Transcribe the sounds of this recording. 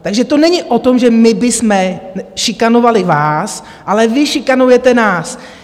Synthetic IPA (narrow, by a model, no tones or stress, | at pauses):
t̪aɡʒɛt̪onɛɲɪʔot̪o̞mʒɛmɪbɪsmɛʃɪkanovalɪvaːs | ʔalɛvɪʃɪkanujɛt̪ɛnaːs